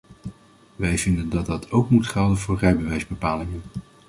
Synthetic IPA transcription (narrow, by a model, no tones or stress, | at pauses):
ʋɛjvɪndəndɑt̚dɑtʰowkmutχɛlˠdənvʊːɹrɛjbəʋɛjzbəpaːlɪŋən